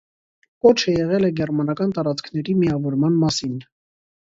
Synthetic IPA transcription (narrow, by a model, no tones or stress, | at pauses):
kɔt͡ʃʰəjɛʁɛlɛɡɛrmɑnɑkɑnt̪ɑɾɑt͡skʰnɛɾimiɑvɔɾmɑnmɑsin